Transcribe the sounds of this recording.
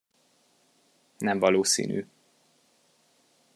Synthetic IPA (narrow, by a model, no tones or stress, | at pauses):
nɛɱvɒloːsḭːny̰ː